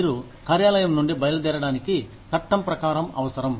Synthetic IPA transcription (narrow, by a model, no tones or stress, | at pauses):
iːɾu | kaːɾjaːlɐjɐmnuɳɖibɐjɐlɐd̪ɛːɾɐɽaːniki | t̪ɐʈːɐmpɾɐkaːɾɐmɐ̰ʋɐsɐɾɐm